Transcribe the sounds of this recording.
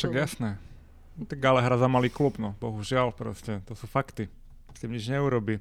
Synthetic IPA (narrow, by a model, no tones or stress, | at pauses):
fʃaɡjasnɛː | t̪ɛɡalɛɦɾazamaliːklupnɔbɔɦuʒɪalpɾɔ̰scɛt̪ɔsufakt̪i | t̪imɲid͡ʒɲɛuɾɔbi